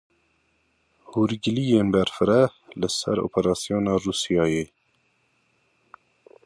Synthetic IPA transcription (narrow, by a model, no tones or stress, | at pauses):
huːɾɡɪlijeːnbɛɾfɨɾɛlɨsɛ̰ɾo̰ːpʰɛɾɑːsijoːnɑːruːsijɑːjeː